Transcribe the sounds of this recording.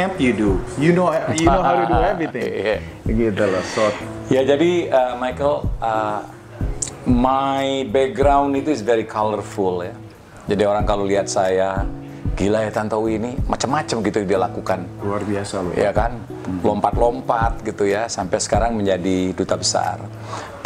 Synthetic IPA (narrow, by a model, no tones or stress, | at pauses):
ɛpjudujunojnohajuduɛvit̪ɪ̃a | ɡɛd̪ələsɔt̪̚jad͡ʒadiəmajkələ | majbɛk̚ɡɾawndit̪uɪsvɛɾikʰalərfulja | d͡ʒadioɾaŋkaloliɦat̪̚saja | ɡilajat̪ant̪awinimat͡ʃamːat͡ʃəmɡit̪udialakukanluarbiasaljʔa̰kan | lɔmpat̪̚lompat̪̚ɡit̪ujasampɛsə̥kaɾaŋməɲd͡ʒadidut̪abəsa̰r